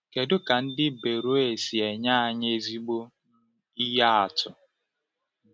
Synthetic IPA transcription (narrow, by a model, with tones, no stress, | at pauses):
ke˨dʊ˦ka˨n̩˦dɪ˦be˨ɾo˦e˨si˨e˨ɲa˦a˨ɲ˦e˦zi˦ɡ͡bo˦ | i˦ja˦a˨tʊ˨